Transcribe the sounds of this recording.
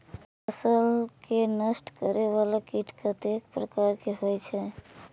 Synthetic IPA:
əsəlkenəsʈkəɾeβalakiʈʰkət̪ekpɾəkaɾkeɦojt͡ʃʰɛ

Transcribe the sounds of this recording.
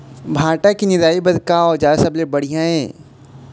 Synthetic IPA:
bʱaːʈakinɪɾaːibɐd̪kaɔːɾd͡ʒaːsɐblebɐɽ̤ijãɦɛː

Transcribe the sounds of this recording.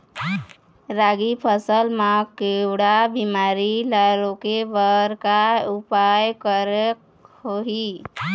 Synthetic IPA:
ɾaɡipʰəsəlmãkewɽabimaɾilaɾokebəɾkaupajkəɾək | hoɦi

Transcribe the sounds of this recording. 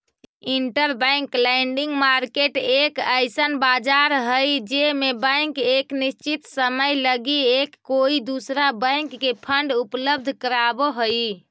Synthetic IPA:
iɳʈəɾbə̃jŋklaiɳɖiŋɡmaɾkeʈekəjsənbad͡ʒaɾɦəjd͡ʒemebə̃jŋkeknist͡ʃit̪səməjləɡiekːoid̪usɾabə̃ɪŋkːepʰəɳɖupləb̚d̪ʱkəɾaboɦoj

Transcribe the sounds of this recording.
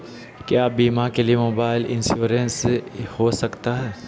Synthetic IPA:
kjaːbiːmakeliemoːbaːɪlɪ̃nsuːɾenshosɐkt̪aɦɛː

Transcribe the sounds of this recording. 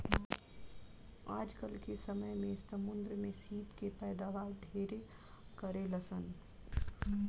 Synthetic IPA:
a̰ːd͡ʒkəlkesəməjmẽsəmʊnd̪ɾəmesiːp̪kepɛːd̪aʋaɾɖʱeɾe | kəɾeləsən

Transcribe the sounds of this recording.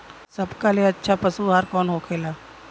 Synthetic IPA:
səbkaleɐtːʃʰapəsuɦaːɾkɔːnɦoːkʰeːlaː

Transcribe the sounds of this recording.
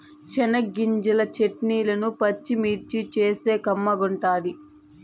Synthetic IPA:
t͡ʃɛnɐɡiɲd͡ʒulɐt͡ʃeʈniːlɐnupɐt͡ʃːimiːɾt͡ʃit͡ʃeːse̞ːkɐmːɐɡuɳʈaːd̪i

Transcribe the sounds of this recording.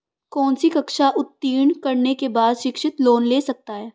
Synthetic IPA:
kɔːnsikɐkʃaʔʊt̪ːiːɳkɐɾnekebaːd̪ʃɪkʃɪt̪loːnleːsɐk̚t̪aɦɛː

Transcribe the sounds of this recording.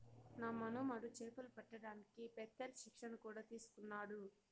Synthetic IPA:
naːmɐnoːmɐɽut͡ʃɛːpɐlupɐʈːɐɽaːnikipɛt̪ːɐlɐʃikʂɐnɐkuːɽaːt̪iːsu̥kunːaːɽu

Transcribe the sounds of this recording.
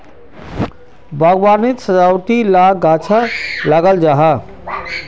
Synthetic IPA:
baɡwanit̪səd͡ʒawʈ̪ilaɡat͡ʃʰalaɡəld͡ʒaɦə

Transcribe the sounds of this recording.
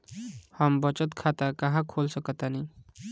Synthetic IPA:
həmbət͡ʃət̪kʰat̪akəɦãkʰoːlsəkət̪ani

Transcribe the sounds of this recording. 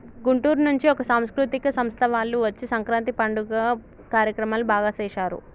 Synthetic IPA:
ɡuɳʈuːɾnuɲt͡ʃiɔkɐsaːmskɾut̪ikɐsɐmst̪ʰɐʋaːlːuʋɐt͡ʃːisɐŋkɾaːnt̪ipɐɳɖuɡa | kaːɾjɐkɾɐmaːlubʱaːɡasɛːʃaːɾṵ

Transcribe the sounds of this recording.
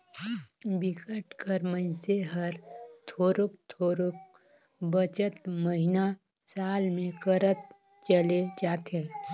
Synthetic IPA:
bɪkəʈkəɾmənseɦəɾt̪ʰoːɾʊkt̪ʰoːɾʊk̚ | bət͡ʃət̪məɦɪna | saːlmẽkəɾət̪̚ | t͡ʃəled͡ʒaːt̪eː

